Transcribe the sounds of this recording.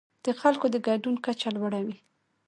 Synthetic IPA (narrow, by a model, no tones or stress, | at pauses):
d̪̥əxalkod̪əɡaɖunkat͡ʃalwaɽawi